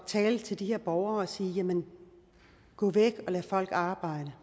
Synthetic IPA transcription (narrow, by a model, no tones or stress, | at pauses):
t͡sʰɛːlt͡sʰe̝ld̥iheɐ̰b̥ɒʊɐɒsiːjæmən | ɡ̥ɔ̰̽ːʋeɡ̥ɒ̽læfɒ̽l̰ɡ̥ɑ̈ːb̥ɑ̈ɪ̰d̥ə